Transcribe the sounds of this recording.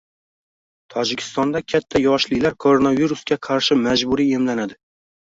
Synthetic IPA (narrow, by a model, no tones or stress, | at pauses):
t̪ʰɒd͡ʒɪkʲʰɪ̥st̪ɒnd̪akʲʰat̪ʰːajɒʃlɪlaɾkʰoɾonaviɾuskʲaqʰɑɾʃɪmad͡ʒbʊɾie̞mlanad̪ɪ